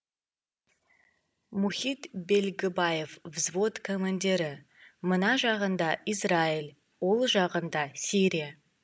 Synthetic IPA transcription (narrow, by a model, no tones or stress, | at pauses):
muhit̪be̞lʲɡʲɪbaje̞fvzvo̞t̪kʰomand̪ʲe̞ɾɪ | mənɑʒɑʁənd̪ɑisrɑilʲˠ | wo̞lˠʒɑʁənd̪ɑsiɾija